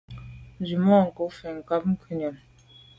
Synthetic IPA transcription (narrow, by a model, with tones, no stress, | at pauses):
n˨d͡ʒi˨mɔ˦˨ŋ̩˨ko˨˦fɛ˨ŋ̩˨ka˦p̚ŋ̩˦kʰʉ˦˨ɲa˨m